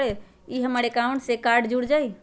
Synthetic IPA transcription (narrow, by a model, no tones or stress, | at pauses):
e | iɦəməɾekauɳʈsekaɾɖd͡ʒuɽd͡ʒaj